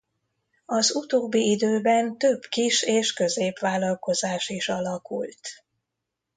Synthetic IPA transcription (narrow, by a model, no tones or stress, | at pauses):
ɒzut̪oːbːiid̪øːbɛnt̪ø̞b̥kiʃeːʃkøzeːpʋaːlɒlko̞zaːʃiʃɒlɒkṵlt̪